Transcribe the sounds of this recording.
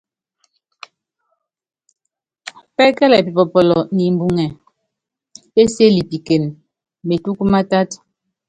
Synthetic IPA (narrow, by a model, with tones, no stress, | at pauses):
pɛ˦kɛ˦lɛ˨pi˨pɔ˨pɔ˨lɔ˨ni˨m̩˨bu˨ŋɛ˨ | e˦se˦li˨pi˨ke˨n | me˨tu˦ku˦ma˦ta˦t